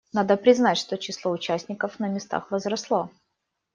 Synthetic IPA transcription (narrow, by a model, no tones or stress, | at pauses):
nad̪əpɾʲɪznatʲʂt̪ot͡ɕɪslˠoʊt͡ɕæsʲnʲɪkəfnəmʲɪst̪a̰xvəzɾɐslˠo